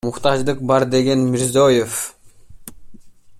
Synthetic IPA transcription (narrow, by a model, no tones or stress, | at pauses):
ʊχt̪ɑʒd̪ɯq̚bɑɾd̪e̞ɡe̞nmɪɾzojef